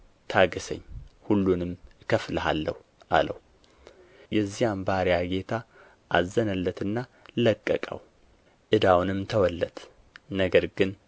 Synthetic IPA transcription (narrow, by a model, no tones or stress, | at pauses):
t̪ʰaɡəsə̰ɲːhulːunɨmkʰəfləɦa̰lːə̰hu | ʔa̰lə̰w | jɛzːijambaɾjaɡe̞t̪ʰa | ʔazːənəlːət̪ɨnːaləkʼːəkʼə̰w | ʔɨd̪awnɨmt̪ʰəwɔlːət̪ | nəɡəɾɡɨn